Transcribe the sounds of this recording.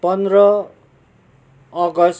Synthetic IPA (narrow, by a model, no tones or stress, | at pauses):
pʌnd̪rʌ | ʌɡʌs